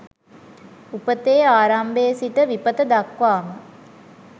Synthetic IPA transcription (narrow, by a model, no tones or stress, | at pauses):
upət̪eːaːɾambeːsiʈ̪əʋipət̪əd̪akʋaːmə